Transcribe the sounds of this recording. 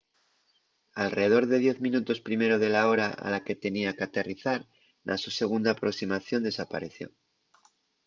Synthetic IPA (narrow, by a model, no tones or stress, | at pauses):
alre̞eðo̞ɾðe̞ð̞je̞θmĩnut̪o̞spɾime̞ɾo̞ð̞e̞lao̞ɾaa̰lake̞t̪e̞niakeat̪e̞riθaɾ | nʔa̰suse̞ɣ̞und̪aːpɾo̞ksimaθjo̞nd̪e̞sapa̰ɾe̞θjo̞̰